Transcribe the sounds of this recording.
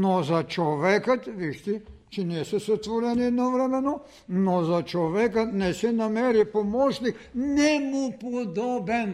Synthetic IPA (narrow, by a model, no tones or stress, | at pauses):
nozat͡ʃovɛkat̪viʃt̪it͡ʃinɛɛsɛsɛt̪vɔɾɛniɛd̪nɔvɾɛmɛno | nozat͡ʃoʋɛkat̪nɛsɛnamɛɾipomɔʃnik | nɛmupod̪ɔbɛn